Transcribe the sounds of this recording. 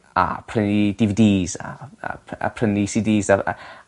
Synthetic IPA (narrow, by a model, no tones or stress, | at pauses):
a̰pʰrənid̥ivdiːza̰a̰a̰pʰrənisidiːzaa̰